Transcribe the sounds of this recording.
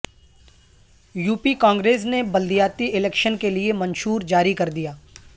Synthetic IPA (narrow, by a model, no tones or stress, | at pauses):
juːpikãːŋɡɾeːs̬nebɐld̪ijaːt̪iʔɪlɛːkʃənkeliemɐ̃nʃuːɾd͡ʒaːɾikɐɾd̪ijaː